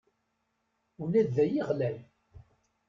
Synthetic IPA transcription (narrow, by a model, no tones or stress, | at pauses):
unæðːæjiʁlæl